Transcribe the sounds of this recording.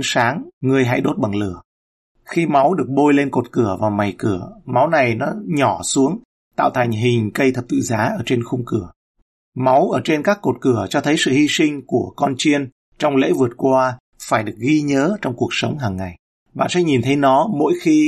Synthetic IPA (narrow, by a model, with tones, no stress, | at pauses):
saː˨˦ŋŋɨ˨˩əjɦa̰˧˥jɗo˦˥t̚ɓa˨˩ŋlɨ˧˩ə | xi˧ma˨˦wɗɨ˨˩ək̚ɓo˧jle˧nko˨˩t̚kɨ˧˩əvaː˨˩wma˨˩jkɨ˧˩əma˨˦wna˨˩jnɔ˨˦ɲɔ˧˩su˨˦əŋ | t̪a̰ː˧˨wt̪ʰa˨˩jŋ̟ɦï˨˩ŋ̟kə˧jt̪ʰə˨˩t̪ɨ̰˧˨zaː˨˦ʔəː˧˩t͡ɕe˧nxʊ˧ŋ͡mkɨ˧˩ə | ma˨˦wʔəː˧˩t͡ɕe˧nkaː˦˥kːo˨˩t̚kɨ˧˩ət͡ɕɔ˧t̪ʰə˨˦jsɨ̰˧˨hi˧sï˧ŋ̟ku˧˩əkɔ˧nt͡ɕi˧ən | t͡ɕɔ˧wŋ͡mlḛ˧˥vɨ˨˩ət̚kwaː˧ | faː˧˩jɗɨ˨˩ək̚ɣi˧ɲəː˨˦t͡ɕɔ˧wŋ͡mku˨˩ək̚sə˨˦wŋ͡mɦaː˨˩ŋːa˨˩j | ɓa̰ː˧˨nsɛ̰˧˥ɲi˨˩nt̪ʰə˨˦jnɔ˨˦mo̰˧˥jxi˧